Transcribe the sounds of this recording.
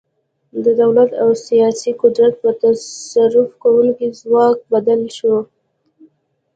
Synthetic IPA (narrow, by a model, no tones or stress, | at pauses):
d̪əd̪awlat̪awsijɑsiqʊd̪ɾat̪̚pət̪asaɾʊfkawuŋkizwɑk̚bad̪alʃo